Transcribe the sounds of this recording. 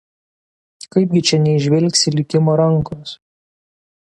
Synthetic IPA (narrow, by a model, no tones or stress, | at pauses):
kɐɪp̚ʲɡʲɪt͡ʃʲɛnʲɛɪʒʲʋʲɛlʲˑksʲɪlʲɪkʲɪmoːɾɐŋˑkos